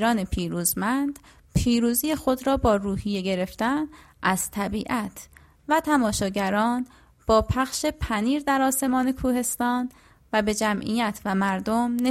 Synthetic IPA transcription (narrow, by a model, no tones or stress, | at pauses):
ɾɒːne̞pʰiːɾuːzmænd̪ | pʰiːɾuːziːjexo̞d̪ɾɒːbɒːɾuːhije̞ɟe̞ɾe̞ft̪æn | ʔæz̥t̪ʰæbiːʔæt̪ʰ | væt̪ʰæmɒːʃɒːɟæɾɒːn | b̥ɒːpʰæxʃe̞pʰæniːɾd̪æɾɒːse̞mɒːne̞kʰuːhe̞st̪ɒːn | væbe̞d͡ʒæmʔḭjæt̪ʰvæmæɾd̪o̞mne